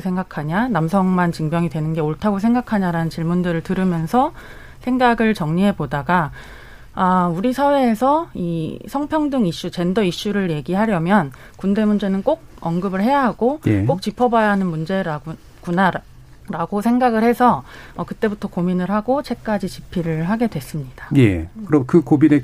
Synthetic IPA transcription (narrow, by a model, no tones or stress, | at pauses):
sʰe̞ŋɡakʰaɲanamsʰʌŋmant͡ɕiŋbjʌŋidwenɯnɡe̞oɭtʰaɡos̬ʰe̞ŋɡakʰaɲaɾanɯnt͡ɕiɭmundɯɾɯɭtɯɾɯmjʌnsʰʌ | sʰe̞ŋɡaɡɯɭt͡ɕʌŋɲiɦe̞bodaɡa | auɾisʰawe̞ːsʰʌisʰʌŋpʰjʌŋdɯŋiɕ͈ut͡ɕe̞ndʌiɕ͈uɾɯɭje̞ɡiɦaɾjʌmjʌn | kunde̞mund͡ʑe̞nɯnk͈oɡ̚ʌnɡɯbɯɭhe̞jaɦaɡojekok̚t͡ɕ͈ipʰʌbajaɦanɯnmund͡ʑe̞ɾa | kuna | ɾaɡosʰe̞ŋɡaɡɯɭhe̞sʰʌːkɯt͈e̞butʰʌkominɯɭhaɡot͡ɕʰe̞k̚k͈ad͡ʑit͡ɕipʰiɾɯɭɦaɡe̞dwe̞s͈ɯmɲid̥ajḛkɯɾʌkɯkobine